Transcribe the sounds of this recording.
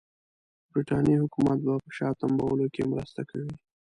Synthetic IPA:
bɾiʈɑnjihʊkumat̪̚bapəʃɑt̪ambawəlokemɾəst̪akʰawi

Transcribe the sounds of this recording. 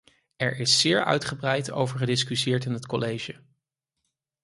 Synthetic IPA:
ɛɹɪsːɪːɹœ̰ɥtχəbrɛjtʰo̰wvəɹχədɪskysɪːɹtɪnɦətkɔlejʒə

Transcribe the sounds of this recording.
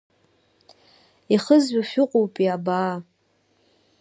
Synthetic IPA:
iχəzɥʷaʃᶣʊqʷʼowpʼiabaː

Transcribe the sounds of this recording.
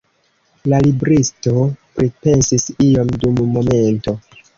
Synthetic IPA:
lalibɾisto̞pɾipe̞nsisio̞mdumːo̞me̞nto̞

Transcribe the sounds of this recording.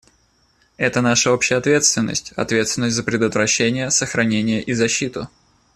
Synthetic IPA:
ɛt̪ənaʂəopɕɪjəɐt̪vʲe̞t̪st̪vʲɪnːə̰sʲtʲɐ̰t̪vʲet̪st̪vɪnːəsʲtʲzəpɾʲɪd̪ət̪vɾɐɕːenʲɪjəsəxɾɐnʲenʲɪjəʔizɐɕːit̪ʊ

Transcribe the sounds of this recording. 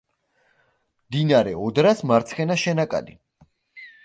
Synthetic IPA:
md̪inaɾɛɔd̪ɾasmaɾt̪sʰχɛnaʃɛnakʼa̰d̪i

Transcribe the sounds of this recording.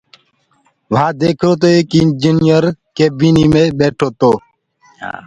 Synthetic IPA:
ʋɦãːd̪eːkʰɾoːt̪oːeːkɪnd͡ʒiːnijəɾkeːbiːniːmẽːɓeːʈʰoːt̪oː

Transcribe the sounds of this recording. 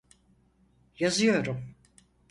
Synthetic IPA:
jazɯjo̞ɾum

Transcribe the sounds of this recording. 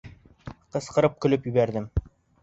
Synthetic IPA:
qɤ̆sqɤ̆ɾɤp̚kɵ̆lɵpjɵ̆βæɾd̪ɘm

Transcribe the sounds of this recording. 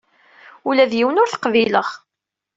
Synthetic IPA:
ulæðjiwənʊɾθə̥qviləʁ

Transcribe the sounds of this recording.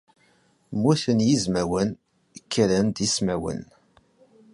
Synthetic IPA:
muθənjizmæwən | kʰːɾənd̪ismæwə̰n

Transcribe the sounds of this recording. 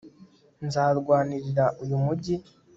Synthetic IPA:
nzaːɾɡwaːniɾiɾaʔujumuɟi

